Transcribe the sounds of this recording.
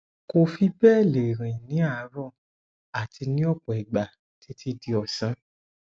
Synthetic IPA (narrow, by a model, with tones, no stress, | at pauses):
ko˨fi˧bɛː˦˨le˨ɾ̃ĩ˨nĩ˨˦a˦˧˨ɾɔ˦˨ | a˨ti˧nĩ˦ɔ˦˨k͡pɔ˨i˨ɡ͡ba˨ | tʰi˨˧tʰi˧di˧ɔ˨sã˨˦